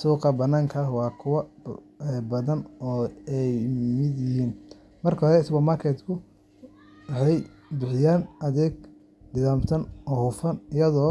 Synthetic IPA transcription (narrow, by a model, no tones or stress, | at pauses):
suːqɐbɐnaːŋkʰɐwɑːkʰʊwɐ | ɛbɐðɐnɔːɛjmɪd̪jɪɦiːn | mɐrkʰɐɦɾɛɪsbɐːmaːrkʰɛt̪kʰʊ | wɑħɑj | bɪħɪjaːnʔɐðɛːɡ | d̪ɪðaːmt̪ʰɐnɔːhʊfɐnɪjɐðɔː